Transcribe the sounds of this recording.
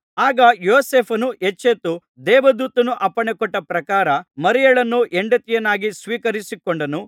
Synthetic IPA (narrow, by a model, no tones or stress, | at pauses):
aːɡɐjoːseːpʰɐnuʔet͡ʃːet̪u | d̪ɛːʋɐd̪uːt̪ɐnuʔɐpːɐɳɛkɔʈːɐpɾɐkaːɾɐmɐɾijɐɭɐnːuʔeɳɖɐt̪ijɐnaːɡisʋiːkɐɾisikoɳɖɐnu